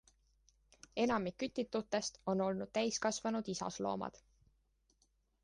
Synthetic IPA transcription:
e̞nɑmikːyt̪ːˑit̪ːˑut̪ːˑe̞st̪o̞no̞lnud̪̥̚t̪æjskɑsvɑnud̪̥isɑ̰slo̞̰ːmɑ̰d̪̥

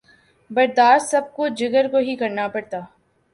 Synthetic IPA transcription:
bɐɾd̪aːst̪sɐb̚kod͡ʒɪɡəɾkoɦikɐɾnapɐɽt̪aː

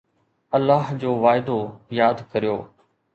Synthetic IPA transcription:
ɐlːaːɦd͡ʑoːʋaːɪd̪ojaːd̪kɐɾijoː

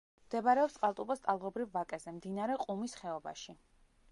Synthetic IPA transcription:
md̪̥ɛbaɾɛɔpst̪sʼqʼalˠt̪ʼubast̪ʼalˠʁɔbɾivːakʼɛzɛmd̪inaɾɛqʼumisχɛɔba̰ʃi

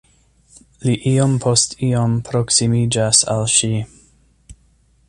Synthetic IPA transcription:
liʔiompʰo̞stʰiompʰɾo̞ksimid͡ʒasa̰lʃi

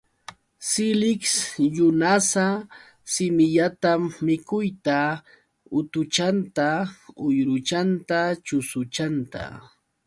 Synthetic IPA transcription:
sɪlɪksjʊnasa | sɪmɪʎat̪amːɪkʊjt̪a | ʊt̪ʊt͡ʃant̪aʊjɾʊt͡ʃant̪at͡ʃʊsʊt͡ʃant̪a̰

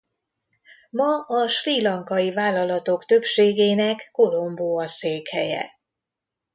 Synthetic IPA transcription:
mɒɒʃriːlɒŋkɒjivaːlɒlɒt̪o̞kt̪ø̞pʃeːɡeːnɛkːo̞lo̞mboːɒseːkhɛjɛ̰

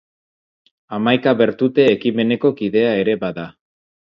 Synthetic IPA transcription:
amajkaβe̞ɾt̪ut̪e̞ːkime̞ne̞ko̞kiðe̞ae̞ɾe̞baða

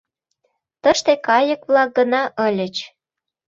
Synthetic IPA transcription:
t̪əʃt̪ekɑjə̆kβlɑk̚ɡənɑʔəlʲət͡ɕ

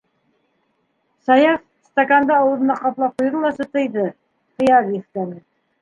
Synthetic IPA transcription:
sɑjɑf | st̪akand̪ɑɑwɤ̆ðɤ̆nɑqɑplˠɑp̚qujðɤlˠɑsɤt̪ɤ̆jðɤ | qɤ̆jɑɡ̪iθkænɘ

